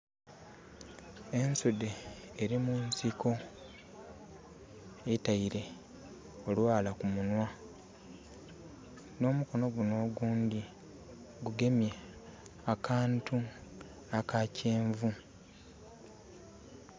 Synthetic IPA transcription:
e̞nsude̞ːɾimunsiko̞ | etaiɾe̞ | olwaːlakumunwa | no̞ːmuko̞no̞ɡuno̞ːɡuːndi | ɡuɡe̞mje | akaːntu | akacʰe̞ːɱvu

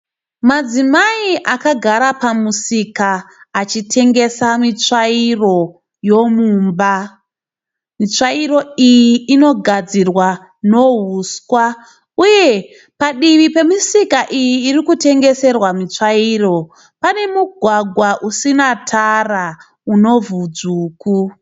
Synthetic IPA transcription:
mad͡zimaiʔakaɡʱaɾapamusikaːt͡ʃitʰe̞ŋɡe̞samit͡ʂairo̞ | jo̞muːmba | mit͡ʂaiɾo̞ijiːno̞ɡʱad͡zirwa | no̞ɦuskwa | uje̞ | paɗiʋipe̞misikaʔijiːrikute̞ŋɡe̞se̞rwamit͡ʂaiːro̞ | pane̞muɡʱwaɡʱwaʔusinatʰara | uno̞vud͡zuːku

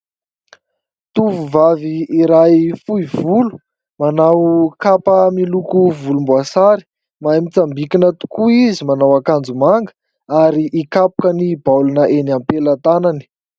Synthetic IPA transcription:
t̪uvuvaviːɾajfuivulu̥ | manawkapəmilukuvulumbuasaɾi̥ | maamit͡sambikinət̪u̥kuizimanawakand͡zumaŋɡə̥ | aɾiʔikapu̥kənibawlunəʔenampelat̪anani̥

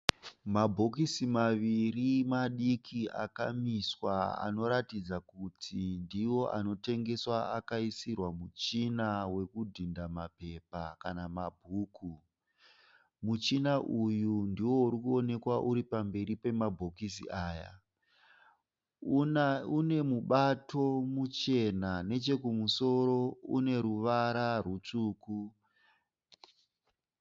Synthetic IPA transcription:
mabʱo̞kisimaʋirimaɗikʰia̰kamiswaa̰no̞ɾatid͡zakutʰindiwo̞ʔa̰no̞te̞ŋɡe̞swaakaisirwamut͡ʃinawe̞kudʱindamape̞pakanamabʱuːku | mut͡ʃinaʔujundiwo̞uɾikuo̞ne̞kwaʔuɾipambe̞ɾipe̞mabʱo̞kisḭaːja̰ | une̞muɓatʰo̞mut͡ʃe̞nane̞t͡ʃe̞kumuso̞ɾo̞ṵne̞ɾuʋaɾarut͡ʂuːku

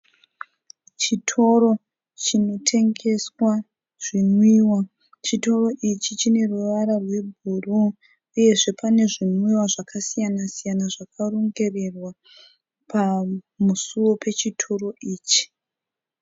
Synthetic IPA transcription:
t͡ʃitʰo̞ɾo̞ | t͡ʃino̞tʰe̞ŋɡe̞swa | ʐ̥imwiːwa | t͡ʃito̞ro̞ʔit͡ʃit͡ʃine̞ruʋaɾarwe̞bʱuru | uje̞ʐe̞pane̞ʐimwiwaʐakʰasijanasijanaʐakʰaroŋɡe̞re̞rwa | pʰa | musuwo̞pʰe̞t͡ʃitʰo̞ro̞ʔiːt͡ʃi̥

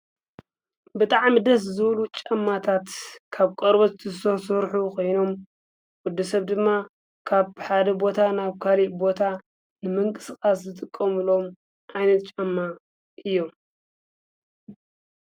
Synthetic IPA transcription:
bɨt̪ʼaʕmid̪ɐs̬zɨβlut͡ʃʼɐmːat̪ʰat̪kʰaβkʼɐɾβot̪t̪ʰɨsɐsoɾħukʰo̞jno̞m | wʊd̪ːɐsɐβd̪ɨmːa | kʰaβħad̪ɐbo̞t̪ʰanaβkʰaliʔbo̞t̪ʰa | nɨmɨŋkʼɨsɨkʼaszɨt̪ʼɨkʼːɐmɨlo̞m | ʔajnɐt̪̚t͡ʃʼɐmːa | ʔɨjːo̞m

